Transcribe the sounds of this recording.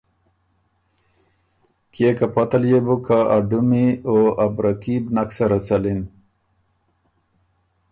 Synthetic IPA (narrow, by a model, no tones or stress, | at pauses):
kekapat̪aljebukaaɖumioabɾakibnaksaɾat͡salin